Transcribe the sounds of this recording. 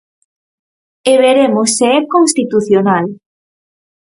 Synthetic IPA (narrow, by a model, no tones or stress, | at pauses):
eβeɾemoseɛkonst̪it̪uθjonal